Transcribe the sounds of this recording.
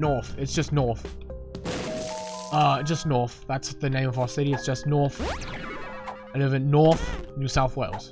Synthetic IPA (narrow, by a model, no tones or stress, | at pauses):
nɔɹθɨtsd̥ʒ̥ʌsnɔɹθ | ʌd̥ʒ̥ʌsnɔɹθðætsðɨnẽɪ̃mʌvaʊə˞sɪɾiɨtsd̥ʒ̥ʌsnɔɹθ | anɪvɨ̃nnɔɹθnʉsaʊθweɪlˠz̥